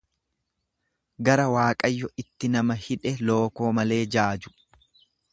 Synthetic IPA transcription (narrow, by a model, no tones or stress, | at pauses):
ɡɐɾɐwaːkʼɐjːɔɪt̪ːɪnɐmɐhɪᶑɛlo̞ːko̞ːmɐle̞ːd͡ʒaːd͡ʒʊ̥